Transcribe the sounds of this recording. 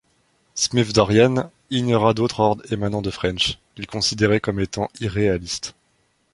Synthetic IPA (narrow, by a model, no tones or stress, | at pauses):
smifd̪ɔʁjan | iɲɔʁad̪ot̪χɔʁd̪ʁemanɑ̃d̪əfχɛ̃nʃ | ilkɔ̃sid̪eʁɛkɔmet̪ɑ̃iʁealist̪